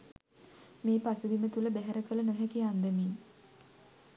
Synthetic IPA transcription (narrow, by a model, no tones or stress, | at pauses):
meːpasəd̪imət̪uləbæɦæɾəkələnəɦɛkiand̪əmin